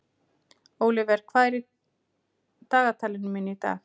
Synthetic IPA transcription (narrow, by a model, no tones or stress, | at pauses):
oːwlɪvɛɾ̥kʰvaːjɾɪ | t̪aːɣat̪ʰaːlɪnʏmɪnːit̪a̰ːɣ